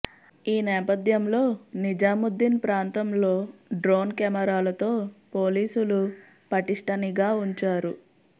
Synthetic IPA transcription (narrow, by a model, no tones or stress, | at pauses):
iːnɛːpɐt̪jɐmlo̞ːnid͡ʒaːmud̪ːinpɾaːnt̪ɐmlo̞ːɖɾoːnkɛːmɐɾaːlɐt̪o̞ːpo̞ːliːsulu | pɐʈiʂʈɐniɡaːuɲt͡ʃaːɾu